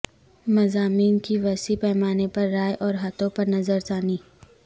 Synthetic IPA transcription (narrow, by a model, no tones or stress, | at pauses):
mɐzaːmiːnkiʋɛːsipɛːmaːnepɐɾːaːjʔɔːɾɦɐt̪õpɐɾnɐzəɾzaːniː